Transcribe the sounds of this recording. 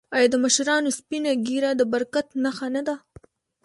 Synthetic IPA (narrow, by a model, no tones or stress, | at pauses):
ɑjɑd̪əmaʃɾɑnospinaɡiɾad̪əbaɾkat̪naxanad̪a